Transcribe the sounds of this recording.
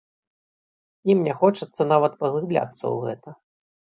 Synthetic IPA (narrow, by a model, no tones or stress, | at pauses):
imnʲɛxɔt͡ʂɨt̪sːɐnavɐt̪pɐɣlˠɨblʲa̰t̪sːɐ̰wɣɛ̰t̪ɐ